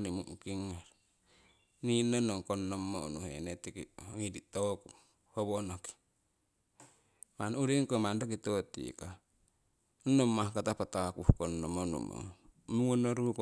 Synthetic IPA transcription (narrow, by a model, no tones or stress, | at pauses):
nimuʔukiŋːaɾ | ninonoŋkonːomːounuhḛnet̪ikḭŋidit̪oku | hoβonoki̥ | manuɾiŋkomandok̬it̪ot̪ḭka | unomahkat̪apat̪aakuhkonːomonṵmo̰muŋonoɾuk